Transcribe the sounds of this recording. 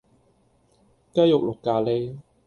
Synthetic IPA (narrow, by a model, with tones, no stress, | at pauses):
ka˥jʊ˨k̚lo˨kːaː˧le˥j